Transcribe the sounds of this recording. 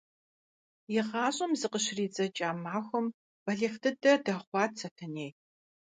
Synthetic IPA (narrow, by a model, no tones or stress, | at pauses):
jɪʁɑːɕʼɐmzɨqəɕriːd͡zɐt͡ʃʼaːmaːxʷɔm | b̥ɐɮextʰɨdɐdɐχʷɑːtsʰɐtʰɐneːj